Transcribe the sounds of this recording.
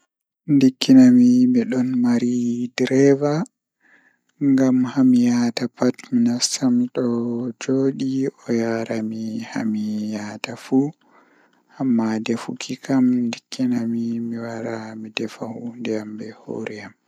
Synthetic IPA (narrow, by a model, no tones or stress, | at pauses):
ndikːinamimiɗɔnmaɾidɾɛva | ŋɡamhamijatapatminasamɗɔd͡ʒoɗiɔjaɾamiha̰mijaːtafu | hamːadɛfṵkʰikʰamndikʰːinamimiwaɾamidɛfahundɛambɛho̰ɾɛam